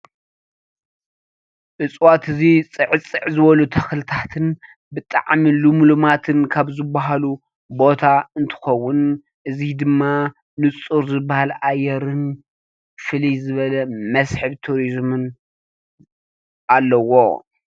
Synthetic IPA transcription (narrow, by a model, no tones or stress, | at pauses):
ʔɨt͡sʼwat̪ɨzit͡sʼɨʕɨt͡sʼɨʕzɨβɐlut̪ʰɐxlɨt̪ʰat̪ʰɨn | bɨt̪ʼa̰ʕmilumulumat̪ʰɨnkʰaβzɨbːaɦalu | bo̞t̪ʰaɨnt̪ʰɨ̥xɐwːʊn | ʔɨzid̪ɨmːa | nɨt͡sʼuɾzɨbːahalajːɛɾɨn | fɨlijzɨβɐlɐmɐsħɨβt̪ʰuɾizmɨn | ʔalːɐwo̞̰